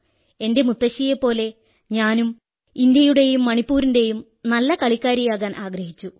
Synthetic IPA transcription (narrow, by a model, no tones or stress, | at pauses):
e̞nde̞mut̪ːɐɕijepːo̞ːle̞ | ɲaːnum | ind̪jɐjuɽe̞jumːɐɳipːuːɾinde̞jum | nɐlːɐkɐɭikːaːɾjijaːɣaːnʔaːɡɾɐɦit͡ɕːu